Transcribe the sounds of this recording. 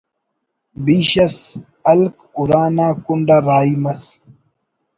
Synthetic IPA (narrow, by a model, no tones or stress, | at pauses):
biːɕɐs | ɐlk | uɾaːnaːkuɳɖaɾaːimɐs